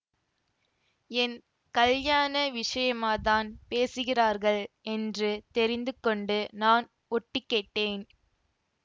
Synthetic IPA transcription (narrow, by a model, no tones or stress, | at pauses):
ɛn | kɐljaːnɐʋɪʂɐjɐmaːt̪aːnpeːsɯɣɪraːɾɣɐɭʔɛndrɯt̪ɛɾɪnd̪ɯkːɔɳɖɯnaːn | ɔʈːɪkːeːʈːeːn